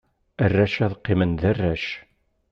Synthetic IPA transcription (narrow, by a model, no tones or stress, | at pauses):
ərːæʃæðqːɪmənðærːæʃ